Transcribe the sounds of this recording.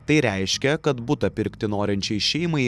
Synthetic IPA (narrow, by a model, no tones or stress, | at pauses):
t̪ɐɪɾʲɛɪʃʲkʲɛkɐt̪bʊt̪ɐpʲɪɾʲkt̪ʲɪnoːɾʲɪnʲt͡ʃʲɛɪʃʲɛɪmɐɪ